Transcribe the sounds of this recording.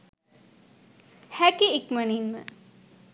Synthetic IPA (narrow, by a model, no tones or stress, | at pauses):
hɛkiekməninmə̰